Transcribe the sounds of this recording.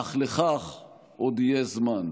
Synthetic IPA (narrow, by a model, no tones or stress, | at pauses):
aχleχaχ | ʔod̪ijezman